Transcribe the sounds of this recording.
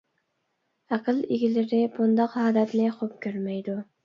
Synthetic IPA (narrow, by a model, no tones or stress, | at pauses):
æqʰɨlˠiɡʲilɪɾɪbund̪ɑqhɑːd̪ɛt̪nɪχop̚kʲʰøɾmɛjd̪u